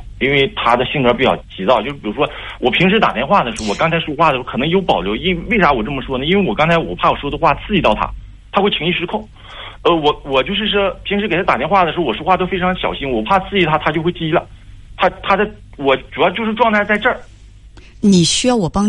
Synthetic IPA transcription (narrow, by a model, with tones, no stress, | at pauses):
i˥nwe˥˩ɪt̪ʰa˥d̪ə˨ɕi˥˧nwə˞˥pi˧˩t͡ɕjɑ̰˥˩ʊt͡ɕʰi˧˥ɑ˥˧ʊt͡ɕjo˥˧ʂɻ̩˥˩pu˥ʂwɔ˥wʔɔ˨˩pʰi˧˥ŋʂ̬ɻ̩˧˥t̪a̰˨˩t̪jɛ˥nxwa˥˩d̪ə˩ʂɻ̩˧˥˧wɔ˨˩kɑ˥ŋt͡sʰa˧ɪʂwɔ˥xwa˥˩ə˩˥kʰɤ˨˩nɤ˧˥ŋjo˧˥ʊpɑ˨˩ʊljo˧˥ʊi˥we˥˩ɪʂa˧˥wɔ˨˩ʈ͡ʂɤ˥˩mə˩ʂwɔ˥nə˨i˥nwe˥˩ɪwɔ˨˩kɑ˥ŋt͡sʰa˧˥ɪwɔ̰˨˩pʰa˥˩wɔ˨˩ʂwd̪ə˧xwa˥˩t͡sʰɹ̩˥˧i˧˥t̪ɑ˥˩ʊt̪ʰa̰˥ | t̪ʰa˥xwe˥˩i˧˥ŋi˥˩ʂɻ̩˥kʰʊ˥˩ŋ | ə˧wɔ˧˩wɔ˨˩t͡ɕjo˥˧ʊʂɻ̩˥˩ʂ̬ɔ˥pʰi˧˥ŋʂɻ̩˧˥e˨˩ɪt̪ʰa˥t̪a˨˩t̪jn˥wa˥˩d̪ə˩ʂɻ̩˧˥˧wʂwxwa˥˧t̪o˥ʊfe˥ʈ͡ʂʰɑ˧˥ŋə˩ɕjɑ˨˩ʊɕi˥nwɔ˨˩pʰa˥˧t͡sʰɹ̩˥˧i˧˥t̪ʰa˥t̪ʰa˥t͡ɕjo˥˧ʊxwe˥˧t͡ɕi˥i˧˥lə̰˧t̪ʰa˥t̪ʰa˥d̪ə˧˩ | wɔ˨˩ʈ͡ʂu˨˩jɑ˥˧ʊt͡ɕjʂɻ̩˥˧ʈ͡ʂwɑ˥˧ŋt̪ʰa˥˧ɪt͡sa˥˧ɪʈ͡ʂə˞˥˩ | ni˨˩ɕy˥jɑ˥˩ʊwɔ˨˩pɑ˥ŋ